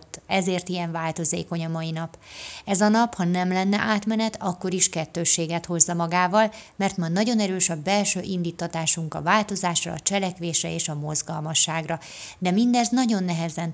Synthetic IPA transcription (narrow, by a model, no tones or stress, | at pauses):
t̪ːɛzeːrt̪ijɛɱvaːlt̪o̞zeːko̞ɲɒmɒinɒpɛzɒnɒphɒnɛmlɛnːɛ̰ʔaːt̪mɛnɛt̪ɒkːo̞ɾiʃkɛt̪ːøːʃːeːɡɛt̪ho̞zːɒmɒɡaːvɒlmɛrt̪mɒnɒɟo̞nɛɾøːʃɒbɛlʃøːʔind̪iːt̪ːɒt̪aːʃuŋkɒ̰vaːlt̪o̞zaːʃrɒ̰ːt͡ʃɛlɛkʋeːʃrɛeːʃɒmo̞zɡɒlmɒʃːaːɡrɒ | d̪ɛmind̪ɛznɒɟo̞nːɛɦɛzɛn